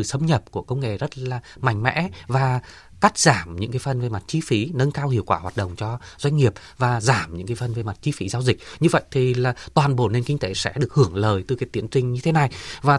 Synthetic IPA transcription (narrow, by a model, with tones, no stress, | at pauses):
ɨ̰˧˨sə˧ŋ͡mɲə˨˩p̚ku˧˩əkə˧wŋ͡mŋḛ˧˨˩zə˦˥t̚laː˨˩ | ma̰˧˩ŋ̟mɛ̰˧˥vaː˨˩ | ka˦˥k̚z̥aː˧˩mɲɨ̰˧˥ŋkaː˨˦jfə˨˩nve˨˩ma˨˩t̚t͡ɕi˨˦fi˨˦nə˧nkaː˧whḭ˧˨əwkwaː˧˩hwaː˨˩t̚ɗə̰˧˨wŋ͡mt͡ɕɔ˧zwa˧jŋ̟ŋi˨˩əp̚ | vaː˨˩zaː˧˩mɲɨ̰˧˥ŋkaː˨˦fə˨˩nve˨˩ma˨˩t̚t͡ɕi˨˦fi˨˦zaː˧wzï˨˩k̟̚ɲɨ˧və̰˧˨jt̪ʰi˨˩laː˨˩t̪waː˨˩nɓo˧˩ne˧nki˧ŋ̟t̪e˨˦sɛ̰˧˥ɗɨ˨˩ək̚hɨ˧˩əŋləː˨˩jt̪ɨ˨˩kaː˨˦jt̪i˨˦ənt͡ɕï˧ŋ̟ɲɨ˧t̪ʰe˨˦na˨˩jvaː˨˩